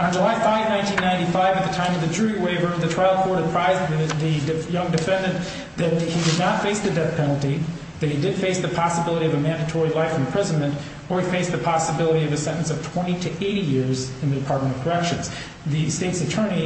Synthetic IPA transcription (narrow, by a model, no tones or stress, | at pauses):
nd͡ʒəlaɪfaɪvnãɪ̃ntʰĩnːãɪ̃ntifaɪvɨt̪̚ðɨtʰãɪ̃mʌvðɨd͡ʒʉɹiweɪvə˞ðɨtʰɹ̥aɪlˠkʰɔɹɾɨpʰɹ̥aɪzðɨðɨdɨjʌ̃ŋdɨfɛ̃ndɨ̃n | ðɨt̚hidɨdⁿnətfeɪsðɨdɛθpʰɛnl̩ˠti | ðɨt̚hidɨd̥feɪsðɨpʰɑsəbɪlˠəɾiʌvɨmæ̃ndɨtʰɔɹilaɪfn̩pʰɹ̥ɪzɨ̃nmɨ̃nt | ə˞ifeɪsðɨpʰɑsəbɪlˠəɾiʌvɨsɛ̃ɾ̃n̩sʌv̥tʰw̥ɛ̃ɾ̃iɾɨʔeɪɾijɪɹzɨ̃nðɨdɨpʰɑɹt̚mɨ̃ñ̩ʌv̥kʰə˞ɛkʃɨ̃nz̥ | ðɨsteɪtsɨtʰɜ̃˞ñi